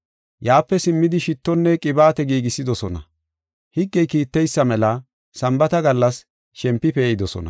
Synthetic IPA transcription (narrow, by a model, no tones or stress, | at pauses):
jaːpːɛsɪmːɪd̪ɪʃɪt̪ːɔnːɛkʼɪbaːt̪ɛɡiːɡɪsːɪd̪ɔsɔnɐ | hɪɡːɛjkiːt̪ːɛjsːɐmɛlɐ | sɐmbɐt̪ɐɡɐlːɐs | ʃɛmpːɪpeːɪd̪ɔsɔ̰nɐ̰